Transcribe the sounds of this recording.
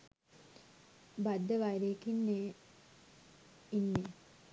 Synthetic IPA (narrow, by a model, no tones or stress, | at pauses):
bad̪ːəʋajɾekinːeː | inːe